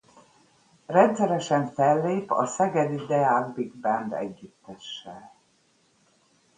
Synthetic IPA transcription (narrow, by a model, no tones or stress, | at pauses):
rɛnt̪sɛɾɛʃɛɱfɛlːeːpɒ̰sɛɡɛd̪id̪ɛaːɡbiɡ̚bɛnd̪ɛ̰ɟːyt̪ːɛʃːɛ